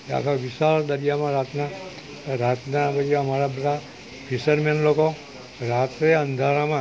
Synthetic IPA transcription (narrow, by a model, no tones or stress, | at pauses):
a̰kʰaʋiʃald̪əɾijamãɾat̪na | ɾat̪napəd͡ʒiəmaɾabəd̪ʱa | fʰiʃəɾmenloko | ɾat̪ɾeənd̪ʱaɾamã